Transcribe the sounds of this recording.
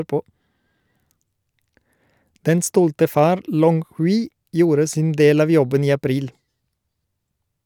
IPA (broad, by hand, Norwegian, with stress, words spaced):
ˈdɛn ˈstɔltə ˈfɑːɾ ˈlɔŋ ˈhʉːɪ ˈjuːɾə ˈsɪn ˈdeːl ˈɑːʋ ˈjɔbən ˈiː ɑˈpɾiːl